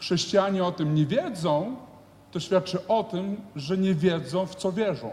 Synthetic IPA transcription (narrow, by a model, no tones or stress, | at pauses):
xʂɛɕt͡ɕijaɲɛɔt̪ɘmɲɛvʲjɛd̪zɔ̃w̃ | t̪ɔɕfʲjat̪̚t͡ʂɘʔɔt̪ɘmʐɛɲɛvʲjɛd̪zɔ̃w̃ft̪sɔvʲjɛʐɔ̰̃w̃